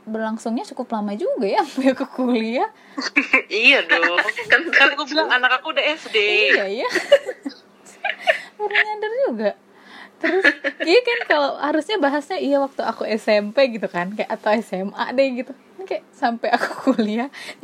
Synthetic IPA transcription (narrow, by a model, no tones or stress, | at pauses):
bərlaŋsʊŋɲat͡ʃukʊplamad͡ʒuɡajampajakukulia | ijadɔkankalikubilaŋanakakuːdaɛsdeijaja | uɾaɲandərd͡ʒuɡa | t̪əɾʊsijakankalowhaɾusɲabaɦasɲaijawak̚t̪ua̰kuɛsɛmpeɡit̪ukankajaʔat̪awɛsɛma̰dɛɡit̪u | nikajasampajaku̥kʰulia